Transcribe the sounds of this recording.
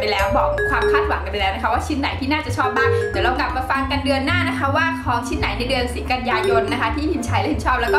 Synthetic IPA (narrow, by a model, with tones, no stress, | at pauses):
pa˧jlɛː˦˥wbɔː˨˩k̚kʰwaː˧mkʰaː˥˩t̪̚wa˨˩˦ŋka˧npa˧jlːɛː˦˥wna˦˥˩kʰwaː˥˩t͡ɕʰi˧˥˩nːa̰˨˩˦jt̪ʰiː˥˩naː˥˩t͡ɕa˨˩t͡ɕʰɔː˥˩p̚maː˥˩ŋt̪ɛː˨˩˦wɾa˧wkla˨˩p̚ma˧fa˧ŋka˧ndɯ˧ənːaː˥˩na˦˥kʰa˦˥waː˥˩kʰɔː˨˦ŋt͡ɕʰi˧˥nːa˨˩˦jna˧jdɯ˧ənsiː˨˩˦ka˧njaː˧jo˧nːa˦˥kʰa˦˥t̪ʰiː˥˩hi˨˩˦nt͡ɕʰa˨˦˥jlɛ˧˥˦t͡ɕʰɔː˥˩p̚lɛː˦˥kɔ˥